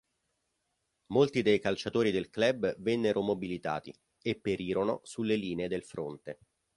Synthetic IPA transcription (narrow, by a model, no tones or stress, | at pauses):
molt̪id̪ejkalt͡ʃat̪oːɾid̪elklɛbvɛnːeɾʔomobilit̪a̰ːt̪ḭ | epːeɾiːɾono̰sulːeliːneːd̪elfɾont̪e